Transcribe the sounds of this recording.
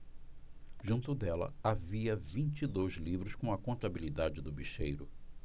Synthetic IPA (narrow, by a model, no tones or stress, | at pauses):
ʒũt̪ʊd̪ɛlɐ̰aviɐvĩnt͡ʃid̪ojzlivɾʊskõɐkõnt̪abilid̪ad͡ʒɪd̪ʊbiʃejɾʊ